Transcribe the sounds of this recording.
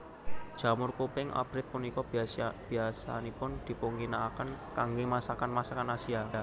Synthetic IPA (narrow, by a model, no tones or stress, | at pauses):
d̥ʒ̥a̤mʊrkupɪŋʔa̰b̥ɾɪt̪̚punikɔb̥iasb̥i̤asa̰nipʊnd̪̥i̤poŋɡinaːkənkaŋɡemasakanmasakanasia